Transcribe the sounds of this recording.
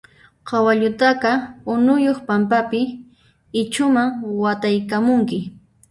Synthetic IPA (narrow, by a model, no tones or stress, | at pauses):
qʰɑwaʎʊt̪ɑqɑʊnʊjoχpampapɪ | ɪt͡ʃʊmaŋwat̪ajkamʊŋkɪ